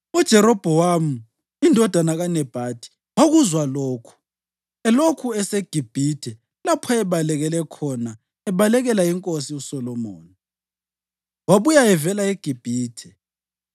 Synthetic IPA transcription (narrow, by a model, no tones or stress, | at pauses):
ud̥ʒ̥ʱɛɾɔb̥ʱɔwamu | indʱɔd̥ʱanaɣanɛb̥ʱad̥ʰʱʼi̥ | woɣuzwaloːkʰu̥ | ɛlokʰuɛseɡ̥ʱib̥ʱitʰɛ | lapʰɔɛβalɛɣɛlɛkʰɔna | ɛβalɛɣɛlaiŋkʼosiusɔlɔmo̰ːni | waβujaɛvɛlaeɡ̥ʱib̥ʱiːtʰɛ̥